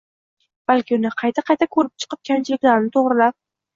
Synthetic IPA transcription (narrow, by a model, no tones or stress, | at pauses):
b̥alkʲɪʊnɪqʰɑjt̪ʰaqʰɑjt̪ʰakʰɵɾɪp̚t͡ʃʰɨ̥qɨp̚kʲʰant͡ʃʰɪlɪkʲlaɾnɪt̪ʰoʁɾɪlap̚